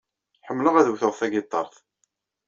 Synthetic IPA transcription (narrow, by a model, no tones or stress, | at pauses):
ħəmːləʁæðəwθoɾˤθæɡɪt̪ˤːɑ̰ɾˤθ